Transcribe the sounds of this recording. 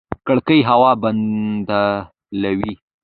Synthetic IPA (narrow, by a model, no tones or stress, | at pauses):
kəɽkəjɦawɑband̪a | lawi